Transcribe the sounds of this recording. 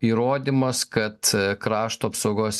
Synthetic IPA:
iːɾoːd̪ʲimɐskɐt̪kɾɑːʃt̪uɐpsoʊɡoːs

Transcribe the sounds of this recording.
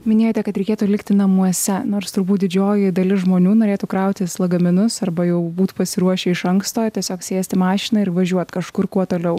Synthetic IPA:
mʲɪnʲeːjoːt̪ʲɛkɐt̪ɾʲɛɪkʲeːt̪ulʲɪkt̪ʲɪnɐmuɔsʲɛnoːɾst̪ʊɾbuːt̪̚d̪ʲɪd͡ʒʲoːjɪd̪ɐlʲɪsʒmoːnʲuːnoːɾʲeːt̪ukɾɐʊt̪ʲɪslˠɐɡɐmʲɪnʊsɐrbɐjɛʊbuːt̪pɐsʲɪɾuɔʃʲɛɪʃɐŋkst̪oːt̪ʲiɛsʲoːksʲeːsʲt̪ʲɪmɑːʃʲɪnɑɪɾʋɐʒʲuɔt̪kɐʃkʊrkuɔt̪oːlʲɛʊ

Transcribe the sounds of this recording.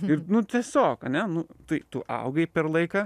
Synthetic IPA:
ɪrnʊt̪ʲiɛsʲoːkɐnʲɛnʊt̪ɐɪt̪ʊʔɐ̰ʊɡɐɪpʲɛrlˠɐɪkɑː

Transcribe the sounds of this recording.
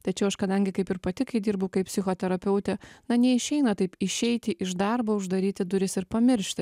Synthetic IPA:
t̪ɐt͡ʃʲɛʊɐʃkɐd̪ɐŋʲɡʲɪkɐɪpɪɾpɐt̪ʲɪkɐɪd̪ʲiːɾbɐʊkɐɪpʲsʲɪxoːt̪ʲɛɾɐpʲɛʊt̪ʲɛnɐnʲɛɪʃʲɛɪnɐt̪ɐɪpɪʃʲɛɪt̪ʲɪʔɪʒd̪ɐɾboːʊʒd̪ɐɾʲiːt̪ʲɪd̪ʊɾʲɪsɪɾpɐmʲɪɾʲʃʲt̪ʲɪ

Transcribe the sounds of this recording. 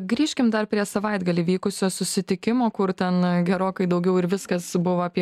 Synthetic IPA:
ɡɾʲiːʃʲkʲɪmd̪ɐrpʲɾʲiɛsɐʋɐɪd̪ɡɐlʲiːʋʲiːkʊsʲoːsʊsʲɪt̪ʲɪkʲɪmoːkʊɾt̪ʲɛnɡʲɛɾoːkɐɪd̪ɐʊɡʲɛʊɪɾʋʲɪskɐsbʊʋɐɐpʲiɛ

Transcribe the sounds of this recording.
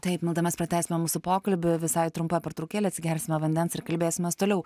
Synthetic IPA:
t̪ɐɪpmʲɪlˠd̪ɐmʲɛspɾɐt̪ʲæːsʲɪmʲɛmuːsʊpoːkɐlʲbʲɪʋʲɪsɐɪt̪ɾʊmpɐpʲɐɾt̪ɾɐʊkʲeːlʲeːɐt̪ʲsʲɪɡʲɛlʲsʲɪmʲɛʋɐnʲd̪ʲɛnsɪɾkɐlʲbʲeːsʲɪmʲɛst̪oːlʲɛʊ

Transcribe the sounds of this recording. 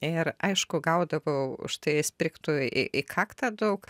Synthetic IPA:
ɪɾɐɪʃkʊɡɐʊd̪ɐʋoːʊ̰ʃt̪ɐɪsʲpʲɾʲɪkt̪uɪ̰ʔɪkʰɑːkt̪ɑd̪ɐʊk

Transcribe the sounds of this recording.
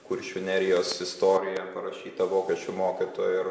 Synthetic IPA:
kʊɾʲʃʲʊnʲɛɾʲɪjoːsɪst̪oːɾʲɪjɛpɐɾɐʃʲiːt̪ɐʋoːkʲɛʃʲt͡ʃʲʊmoːkʲɪt̪o̰ːj

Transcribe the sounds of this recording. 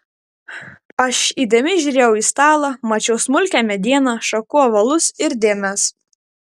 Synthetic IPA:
ɐʃiːd̪ʲɛmʲɪʒʲuːɾʲeːjɛʊiːst̪ɑːlˠɑmɐt͡ʃʲɛʊsmʊlʲkʲæmʲɛd̪ʲiɛnɑʃɐkuɔʋɐlˠʊsɪɾd̪ʲeːmʲɛs

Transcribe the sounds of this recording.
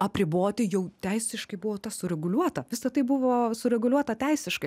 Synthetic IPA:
ɐpʲɾʲɪboːt̪ʲɪjɛʊt̪ʲæɪsʲɪʃkɐɪbʊʋoːt̪ɐsʊɾʲɛɡʊlʲuɔt̪ɐʋʲɪsɐt̪ɐɪbʊʋoːsʊɾʲɛɡʊlʲuɔt̪ɐt̪ʲɛɪsʲɪʃkɐɪ

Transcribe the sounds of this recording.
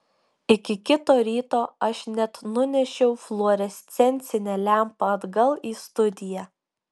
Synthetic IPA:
ɪkʲɪkʲɪt̪oːɾʲiːt̪oːɐʃnʲɛt̪nʊnʲɛʃʲɛʊflˠoːɾʲɛsʲt̪sʲɛnʲt̪sʲɪnʲɛlʲæˑmpɐɐd̪ɡɐlˠiːst̪ʊd̪ʲɪjæ

